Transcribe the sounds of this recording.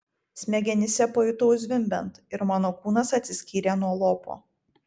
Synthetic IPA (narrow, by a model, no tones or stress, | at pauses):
sʲmʲɛɡʲɛnʲɪsʲɛpɐjʊt̪oʊzʲʋʲɪmʲbʲɛnt̪ɪɾmɑːnoːkuːnɐsɐt̪ʲsʲɪsʲkʲiːɾʲenuɔlˠoːpo̰ː